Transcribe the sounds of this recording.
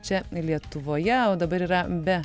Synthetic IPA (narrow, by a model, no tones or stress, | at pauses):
t͡ʃʲɛlʲiɛt̪ʊʋoːjɛoːd̪ɐbɐɾiːɾɐbʲɛ